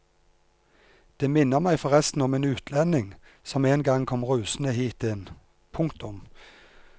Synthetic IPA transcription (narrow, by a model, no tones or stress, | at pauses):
d̪̥eːmɪnːəʁmæɪfɔʁɛst̪n̩ɔmeːnʉːt̪ʰlɛnɪŋ | sɔmeːnɡɑŋkʰɔmʁʉːsn̩əhiːt̪ɪn | pʰʊŋkt̪ʊm